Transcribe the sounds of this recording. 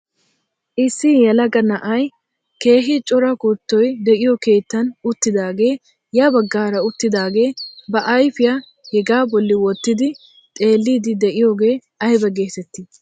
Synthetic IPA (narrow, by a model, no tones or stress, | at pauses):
ʔɪsːɪjɐlɐɡɐnɐʔɐj | ke̞ːɦɪt͡ʃʼɔɾɐkʊt̪ːɔjd̪ɛʔɪjɔke̞ːt̪ːɐnʊt̪ːɪd̪aːɡe̞ː | jabɐɡːaːɾɐʊt̪ːɪd̪aːɡe̞ːbɐʔɐjfɪja | hɛɡaːbɔlːɪwɔt̪ːɪd̪ɪ | t̪ʼe̞ːlːiːd̪ɪd̪ɛʔɪjo̞ːɡe̞ː | ɐjbɐɡe̞ːt̪ɛt̪ːɪ